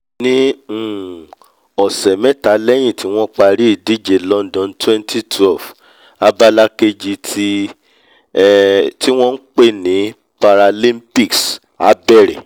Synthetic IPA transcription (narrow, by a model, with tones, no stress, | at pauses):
nĩ˦˨ | ɔ˨sɛ˨mɛ̃˦ta˨˦lɛ˦j̃ĩ˦˨ti˨˦w̃ɔ̃˦k͡pa˧ɾi˦i˦˨di˦d͡ʒe˨lɔ̃˦ndɔ̃˨ntwɛ̃˦ntʰi˦˨tʰwɛ˦˨f | a˧ba˦la˦ke˧d͡ʒi˧tʰi˦ | ti˦w̃ɔ̃˦n̩˦k͡pe˦˨nĩ˨˦ | pa˧ɾa˧lĩ˦mpi˦˨ks | a̰˨˦bɛ˦˨ɾɛ̰˨